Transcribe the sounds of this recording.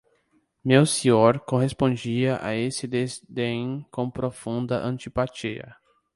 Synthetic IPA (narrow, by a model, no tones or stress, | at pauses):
mewsioɾkõɦespõnd͡ʒiɐʔa̰esɪd̪ezd̪ẽj̃kõpɾofũnd̪ɐʔɐ̃t͡ʃipat͡ʃiɐ̰